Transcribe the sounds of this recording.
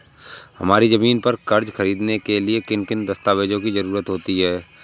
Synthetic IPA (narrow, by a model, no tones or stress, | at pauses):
hɐ̰maːɾizɐmiːnpɐɾkɐɾd͡ʒxɐɾiːd̪nekeliekɪnkɪnd̪ɐst̪aːʋeːd͡ʒõkizɐɾuːɾət̪ɦoːt̪iɦɛː